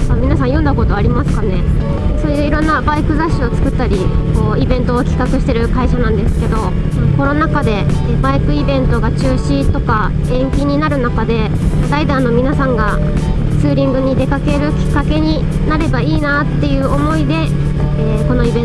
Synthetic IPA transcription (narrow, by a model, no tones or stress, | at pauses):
amʲinasãjõ̞nd̪ako̞t̪o̞aɾʲimasɨ̥kane̞ | so̞ːjɯːiɾõ̞nːabaikɯ̟zaɕːio̞t͡sɨ̥kɯ̟t̪ːaɾʲiko̞ːibẽ̞nt̪o̞ːkʲi̥kakɯ̟ɕi̥t̪e̞ɾɯ̟kaiɕanãnd̪e̞sɨ̥ke̞d̪o̞ | ko̞no̞nakad̪e̞ | baikɯ̟ibẽ̞nt̪o̞ɡat͡ɕɨːɕit̪o̞ka | ẽ̞ŋkʲiɲ̟inaɾɯ̟nakad̪e̞ | d̪aid̪ãno̞mʲinasãŋɡa | t͡sɨːɾʲĩŋɡɯ̟ɲ̟id̪e̞kake̞ɾɯ̟kʲi̥kːake̞ɲ̟i | naɾe̞baiːnat̪ːe̞jɯ̟ːo̞mo̞id̪e̞ | eːko̞no̞ibẽ